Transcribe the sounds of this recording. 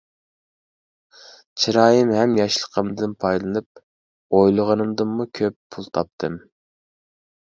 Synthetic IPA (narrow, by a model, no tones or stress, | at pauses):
t͡ʃʰiɾɑːjimɦɛmjɑʃlˠə̥qʰəmd̪ɨnpʰɑjlˠɨnɨp̚ | ojlˠəʁənɨmd̪ɨmːukʲʰøpːʰulˠt̪ʰɑp̚t̪ʰɨm